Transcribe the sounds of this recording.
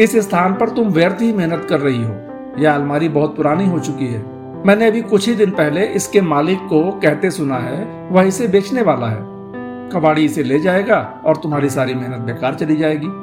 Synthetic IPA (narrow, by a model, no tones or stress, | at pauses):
ɪsɪst̪ʰaːnpɐɾt̪ʊmʋjəɾt̪ɦimɪɦnət̪kɐɾːɐɦiɦoː | jɛaːlmaːɾibɐɦʊt̪̚pʊɾaːniɦot͡ʃʊkiɦɛː | mɛ̃ːneɐbʱikʊt͡ʃʰid̪ɪnpɛɦleʔɪskemaːlɪkːokɛɦt̪esʊnaɦɛː | ʋɐɦisebeːt͡ʃneʋaːlaɦɛ̰ː | kɐbaːɽiɪseleːd͡ʒaːeːɡaː | ɔːɾt̪ʊmɦaːɾisaːɾimɪɦnət̪̚beːkaːɾt͡ʃɐlid͡ʒaːeːɡiː